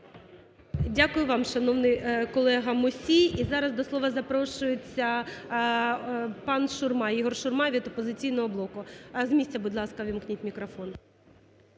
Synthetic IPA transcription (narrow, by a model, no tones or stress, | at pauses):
dʲakʊjʊʋɑmʃɐnɔʋnɪjkɔlˠɛɦɐmʊsʲijizɑɾɐzd̪ɔslˠɔʋɐzɐpɾɔʃʊjɪt͡sʲːɐ | pɑnʃʊrmɑjiɦɔrʃʊrmɑʋʲit̪ɔpɔzɪt͡sʲijnɔɦɔblˠɔkʊzmʲisʲtʲt͡sʲːɐbʊd̪ʲlˠɑskɐʋʲimknʲitʲmʲikɾɔfɔn